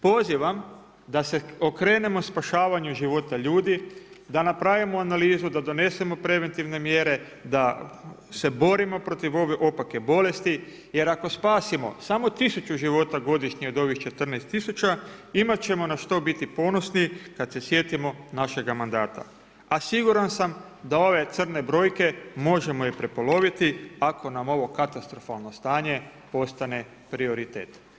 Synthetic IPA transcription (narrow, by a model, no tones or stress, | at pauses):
po̞ziʋam | d̪ase̞okɾe̞ːne̞mo̞spaʃaːʋaɲuʒiʋo̞t̪aʎuːd̪i | d̪anapɾaʋimoanaliːzud̪ad̪o̞ne̞se̞mo̞pɾe̞ʋe̞nt̪iʋne̞mjeɾe̞ | d̪a | se̞bo̞ɾimo̞pɾo̞t̪iʋo̞ʋeʔo̞pake̞bo̞le̞st̪i | je̞ɾako̞spaːsimo̞̰samo̞t̪isut͡ʃuʒiʋo̞t̪aɡo̞d̪iʃɲiod̪o̞ʋixt͡ʃe̞t̪r̩nest̪ːisut͡ɕaimat̪t͡ɕe̞mo̞naʃt̪o̞bit̪ipo̞no̞snikad̪se̞sje̞t̪imo̞naʃe̞ɡamand̪aːt̪a̰ | asiɡuɾansam | d̪ao̞ʋe̞t̪sər̩ne̞bɾo̞ːjke̞mo̞ʒe̞mo̞jipɾe̞po̞lo̞ʋit̪iakʰo̞namo̞ʋo̞kat̪ast̪ɾo̞falˠno̞st̪aːɲe̞ | po̞st̪ane̞ | pɾio̞ɾit̪ḛːt̪